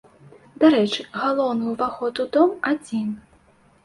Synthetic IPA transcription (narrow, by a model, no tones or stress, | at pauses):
d̪aɾɛt͡ʂɨɣalˠɔwnujuvaxɔt̪ud̪ɔmad͡zʲin